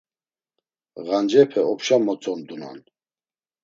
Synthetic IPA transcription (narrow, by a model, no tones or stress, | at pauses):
ɣand͡ʒɛpʰɛɔpʰʃamɔt͡sʼɔmd̪una̰n